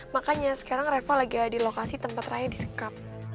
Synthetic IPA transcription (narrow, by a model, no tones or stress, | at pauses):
makaɲasə̥kaɾaŋrefalaɡiadilokasit̪əmpat̪rajadisə̥kap̚